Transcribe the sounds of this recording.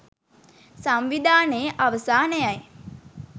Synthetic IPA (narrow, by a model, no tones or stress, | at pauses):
samʋid̪ʱaːnejəʔaʋəsaːnɛjaj